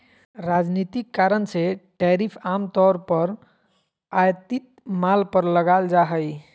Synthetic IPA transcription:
ɾad͡ʒnit̪ikːaɾənseʈɛɾipʰamt̪ɔɾpəɾ | ajt̪it̪̚malpəɾləɡald͡ʒaɦəj

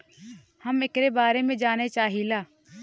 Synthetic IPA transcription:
həmɪkɾebaːɾemẽd͡ʒaːnet͡ʃaːɦilaː

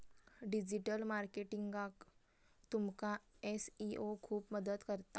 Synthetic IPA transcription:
ɖid͡ʑiʈəlmaɾkeʈiŋɡak | t̪umkaesiʔokʰuːpməd̪əd̪kəɾt̪a

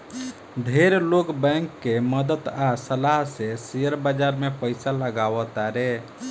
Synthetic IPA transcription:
d̪ʱeɾlokbɛ̃ŋkːeməd̪ət̪asəlaɦsesijəɾbad͡ʒaɾmepəɪsaləɡaʋət̪aɾe

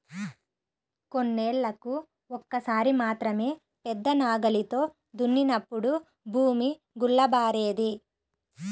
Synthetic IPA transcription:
ko̞nːeːɭːɐku | ɔkːɐsaːɾimaːt̪ɾɐme̞ː | pɛd̪ːɐnaːɡɐlit̪o̞ː | d̪unːinɐpːuɽu | bʱuːmi | ɡuɭːɐbaːɾeːd̪i

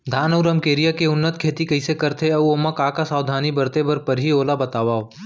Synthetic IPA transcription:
d̪ʱaːnɐʊɾəmkeːɾijakeʊnːət̪kʰeːt̪ikɐɪsekɐɾt̪ʰeɐuoːmɐkaːkasaːwd̪ʱaːnibɐɾt̪ebɐɾpɐɾɦioːlabɐt̪aːʋaːo

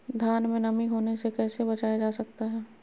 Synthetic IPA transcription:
d̪ʱjaːnmẽnɐmiɦoːnesekɛːsebɐt͡ʃaːjad͡ʒaːsɐk̚t̪aɦɛː

